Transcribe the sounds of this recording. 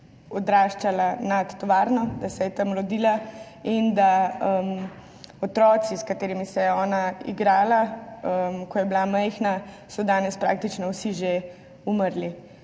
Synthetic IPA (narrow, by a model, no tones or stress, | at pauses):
ɔd̪ɾaːʃt͡ʃalanat̪ːɔʋaːɾnɔd̪asɛjɛt̪əmɾɔd̪iːla | ind̪aəm | ɔt̪ɾɔːt̪siskat̪eːɾimisɛjɛɔːnaḭɡɾaːlaəmkɔjɛbilamɛjxna | sɔd̪aːnɛspɾa̰ːk̚t̪it͡ʃnɔwsiʒe | uməɾli